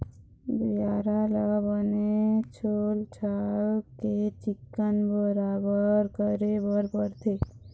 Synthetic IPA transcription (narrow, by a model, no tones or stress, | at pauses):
biaɾalabənet͡ʃʰolt͡ʃʰaket͡ʃikːənbəɾabəɾkəɾebəɾpəɾt̪ʰe